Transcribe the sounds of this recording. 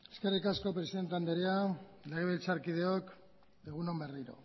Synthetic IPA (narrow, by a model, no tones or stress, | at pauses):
eske̞rikasko̞pɾe̞siðent̪eand̪eɾiale̞ɣ̞e̞βelt͡saɾkiðe̞ok | e̞ɣ̞uno̞mbe̞riɾo̞̰